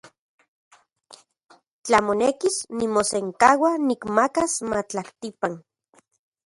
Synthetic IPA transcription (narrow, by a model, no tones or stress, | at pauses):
t͡ɬamonekisnimoseŋkawanikmakasmat͡ɬaht̪ipan